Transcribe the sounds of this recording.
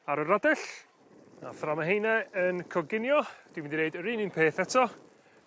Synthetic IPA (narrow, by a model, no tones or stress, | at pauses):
aɾəɾadɛɬ | a̰θramaɦejnɛənkʰɔɡɪnjɔd̥wmɪ̃ndineɨdəɾiːninpʰeːθɛtʰɔ